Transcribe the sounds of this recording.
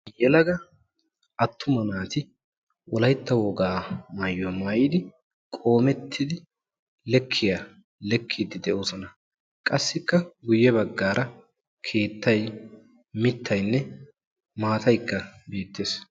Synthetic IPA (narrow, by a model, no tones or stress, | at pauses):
jɛlɐɡɐ | ʔɐt̪ːʊmɐnaːt̪ɪ | wɔlɐjt̪ːɐwɔɡaːmɐjːomɐjɪd̪ɪ | kʼo̞ːmɛt̪ʰːɪd̪ɪ | lɛkʰːɪja | lɛkʰːid̪ɪd̪ɛʔoːsɔnɐ | kʼɐsːɪkːɐɡʊjːɛbɐɡːaːɾʔɐ | kʰe̞ːt̪ːɐj | mɪt̪ʰːɐjnːɛ | maːt̪ɐjkːɐbeːt̪ːe̞ːs